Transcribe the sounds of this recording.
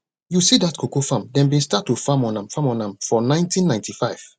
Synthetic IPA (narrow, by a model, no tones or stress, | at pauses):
jusidatkʰokofãmdɛ̃nbĩnstatːufãmɔ̃nãmfãmɔ̃nãmfɔnãɪ̃ntĩnːãɪ̃ntʰifaɪv̥